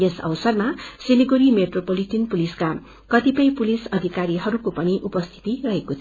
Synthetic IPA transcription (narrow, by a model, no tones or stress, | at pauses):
esʌ̰wsʌrmasiniɡoɾimeʈropoliʈinpuliska | kʌt̪ipʌjpulisʌd̪ʱikaɾiɦʌɾukopʌñiʔupʌst̪ʰi̥t̪irʌɦekot̪ʰ